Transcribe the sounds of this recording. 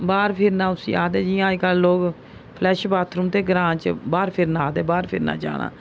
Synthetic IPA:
baːɾpʰɪɾnãːʊsḭːaːd̪ɛːd͡ʒijãːɪkalːoːɡ | pʰlɛːʃbaːt̪ʰɾumt̪eːɡəɾãːt͡ʃbaːɾpʰɪɾnaːd̪eɛːbaːɾpʰɪɾna̰ːd͡ʒa̰ːɽã̰ː

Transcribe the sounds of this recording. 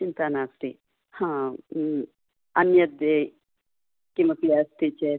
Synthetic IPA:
t͡ʃint̪aːnaːsʈ̪i | hã | ɐnjɐd̪e | kimɐkiast̪it͡ʃeː

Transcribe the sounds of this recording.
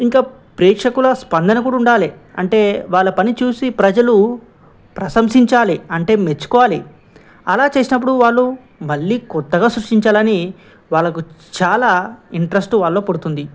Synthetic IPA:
iŋkaː | pɾɛːkʂɐkulɐspɐnd̪ɐnɐk̬uːɽuɳɖaːliɐ̰ɳʈe̞ːʋaːɭːɐpɐnit͡ʃuːsipɾɐd͡ʒɐlu | pɾɐsɐmsiɲt͡ʃaːliɐɳʈe̞ːmet͡ʃːu̥kɔːʋaːli | ɐlaːt͡ʃe̞ːsinɐp̬ːuɽuʋaːɭːu | mɐɭːiːkɔt̪ːɐɡaːsɾuʂʈiɲt͡ʃaːlɐni | ʋaːɭːɐkut͡ʃaːlaːiɳʈɾesʈuʋaːɭːo̞ːpɐɽut̪und̪i

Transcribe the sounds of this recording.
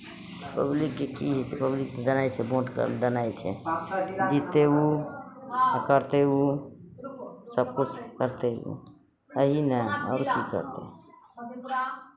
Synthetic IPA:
pəblikːekiɦɛt͡ʃʰɛpəblikːed̪ənajt͡ʃʰɛboʈkd̪ənajt͡ʃʰɛ̰ | d͡ʒit̪ːeu | kəɾt̪eu | səb̚kut͡ʃʰkəɾt̪eṵ | əɦinɛɔ̰ːɾkikə̰ɾt̪ḛ

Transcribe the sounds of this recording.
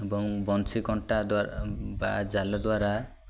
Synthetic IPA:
ebɔŋbɔnt͡ʃʰikɔɳʈad̪abad͡ʒalɔd̪waɾa

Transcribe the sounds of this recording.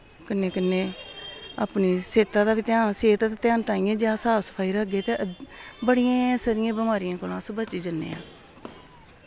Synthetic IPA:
kənːeːkənːeː | a̰ːpniːseːt̪ãːd̪aːbiːt̪ɪjaːnseːt̪at̪et̪jaːnt̪aːĩːãːd͡ʒaːsaːsə̥pʰaːiːɾəɡeːt̪ebəɽɪjãːsəɾɪjãːbəmaːɾijãːkoːlãːsbət͡ʃiːd͡ʒənːḛːa̰ː

